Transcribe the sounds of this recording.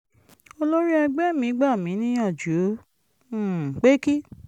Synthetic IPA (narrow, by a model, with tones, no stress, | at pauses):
o˧lo˦ɾi˦ɛ˧ɡ͡bɛ˦mĩ˨˦ɡ͡ba˦˨mĩ˨˦nĩ˦ɔ̃˦˨d͡ʒu˨˦˨ | k͡pe˦ki˦